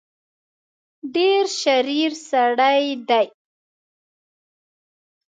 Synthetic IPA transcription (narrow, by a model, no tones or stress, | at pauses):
ɖeɾʃaɾiɾsaɽajd̪aj